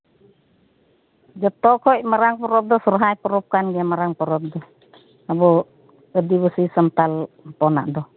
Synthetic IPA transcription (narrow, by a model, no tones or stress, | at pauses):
d͡ʒɔt̪ɔkʰɔimaɾaŋpɔɾɔp̚dɔsuɾɦajpɔɾup̚kanɡiamaɾaŋpɔɾɔp̚dɔ | abɔ | ədibəsisənt̪alpɔna̰ʔdɔ